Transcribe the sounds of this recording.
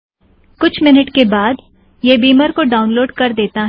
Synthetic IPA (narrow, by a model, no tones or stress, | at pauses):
kʊt͡ʃʰmɪnəʈkebaːd̪ | jebiːməɾkoɖaːʊ̃nloːɖkɐɾd̪eːt̪aɦɛ